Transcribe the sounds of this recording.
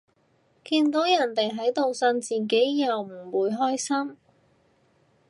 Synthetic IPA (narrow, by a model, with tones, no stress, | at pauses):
kiː˧nt̪o˨˥wjɐ˨˩nt̪e˨jɦɐ˨˥jt̪o˨wsɐ˧nt͡siː˨˩k̬e˨˥jjɐ˨wm̩˨˩wuː˨˧jɦɔː˥jsɐ˥m